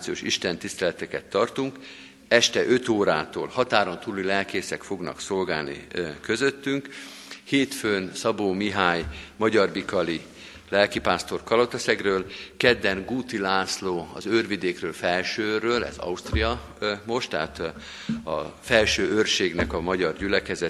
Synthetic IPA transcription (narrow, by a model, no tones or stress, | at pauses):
t̪sioːʃiʃt̪ɛnt̪ist̪ɛlɛt̪ɛkɛt̪ːɒrt̪uŋk | ɛʃt̪ɛʔøt̪oːɾaːt̪o̰ːlhɒt̪aːɾo̞nt̪uːlːilɛlkeːsɛkfo̞ɡnɒ̰kso̞lɡa̰ːlnḭkøzøt̪ːyŋk | heːt̪føːnsɒboːmiɦaːɲmɒɟɒrbikɒli | lɛlkipaːst̪o̞rkɒlot̪ɛsɛɡrøːlkɛd̪ːɛnɡuːt̪ilaːsloːɒ̰zørvid̪eːkrøːlfɛlʃøːrːøːlɛ̰zɒ̰ust̪rijɒ | mo̞ʃt̪ɛɦat̪ | ɒ̰fɛlʃøːørʃeːɡnɛkɒmɒɟɒrɟylɛkɛzɛ